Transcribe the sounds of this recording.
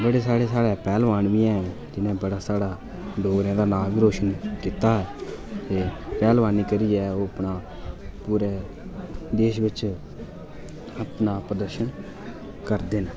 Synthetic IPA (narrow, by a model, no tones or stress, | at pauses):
bəɽeːsaːɽeːsaːɽɛːpɛːlʋaːnʋiːɛ̃ːd͡ʒɪnẽːbəɽaːsaːɽaː | ɖoːɡɾẽːd̪aːnaːbiːɾoːʃənkiːt̪aːɦɛːt̪eːpɛːlʋaːniːkəɾiːɛːoːəpnaː | puːɾɛː | d̪eːʃʋɪt͡ʃ | əpnaːpɾəd̪əɾʃən | kəɾd̪eːn